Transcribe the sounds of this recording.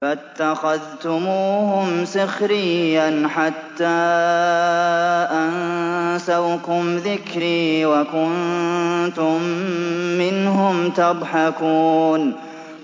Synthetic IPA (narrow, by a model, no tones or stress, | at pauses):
fat̪ːaxaðt̪ʊmuːhʊmsɪxɾɪjːanħat̪ːaː | ʔansawkʊmðɪkɾiːwakʊn | t̪ʊmː | ɪnhʊmt̪ɑd̪ˤħɑkuːn